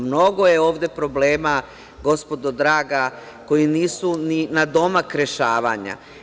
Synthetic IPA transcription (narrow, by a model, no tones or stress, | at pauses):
mno̞ɡo̞je̞o̞ːʋd̪e̞pɾo̞bleːma | ɡo̞spo̞d̪od̪ɾaːɡa | ko̞jiniːsuninad̪o̞makɾeʃaːʋa̰ːɲa̰